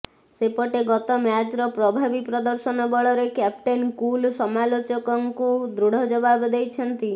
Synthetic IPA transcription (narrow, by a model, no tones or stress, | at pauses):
sepɔʈeɡɔt̪ɔmjad͡ʒɾɔpɾɔbʱabipɾɔd̪ɔɾsɔnɔbɔɭɔɾekap̚ʈenkulsɔmalot͡ʃɔkɔŋkud̪ɾuɽ̤ɔd͡ʒɔbabd̪ejt͡ʃʰɔnt̪i